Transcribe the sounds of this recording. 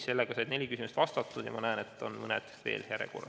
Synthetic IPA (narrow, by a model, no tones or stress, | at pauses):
se̞lːeɡ̥ɑsɑjd̪ne̞lʲikysimust̪vɑst̪ɑt̪ːˑud̪jɑmɑnæenet̪ːˑo̞nmɤnet̪ːˑe̥st̪ve̞̰ːlheæɾḛkṵːlɑ̰